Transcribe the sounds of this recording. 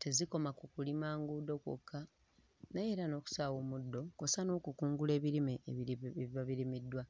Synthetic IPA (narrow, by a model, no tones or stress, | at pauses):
te̞ziko̞makukulimaːŋɡuːdo̞ko̰kʰːa | najeɾano̞ːku̥saːwomudːo̞ko̞sano̞ːkukuːŋɡule̞ːβiɾimeβiβaβiɾimidːwa